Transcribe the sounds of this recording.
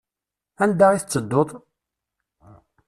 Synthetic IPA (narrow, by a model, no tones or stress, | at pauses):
ænd̪æiθət͡sːəd̪ːoðˤ